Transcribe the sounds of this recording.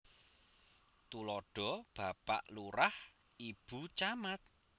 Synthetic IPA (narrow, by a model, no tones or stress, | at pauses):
t̪ulɔɖ̥ɔ̤b̥a̤pa̰ʔluɾah | ib̥ṳt͡ʃamat̪̚